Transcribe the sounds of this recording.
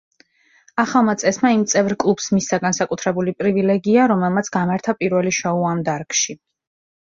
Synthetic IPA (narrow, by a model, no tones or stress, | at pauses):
aχalˠmat̪sʼɛsmaimt̪sʼɛvɾkʼlˠupsmisaɡansakʼut̪ʰɾɛbulipʼɾivilɛɡiaɾɔmɛlˠmat̪sʰɡamaɾt̪ʰapʼiɾvɛliʃɔuamd̪aɾkʼʃi